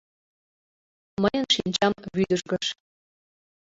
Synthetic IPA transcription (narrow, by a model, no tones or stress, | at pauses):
məjənʃinʲt͡ɕɑmβyd̪əʒɡəʃ